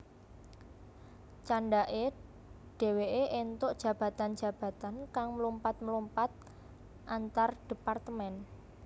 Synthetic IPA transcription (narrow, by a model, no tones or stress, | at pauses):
t͡ʃaɳɖaʔe | ɖ̥e̤weʔeʔent̪ʊʔd̥ʒ̥ä̤b̥ä̤t̪an̥d͡ʒ̥ä̤b̥ä̤t̪ankaŋməlumpat̪̚məlumpat̪̚ | ʔant̪arɖ̥ipart̪əmɛn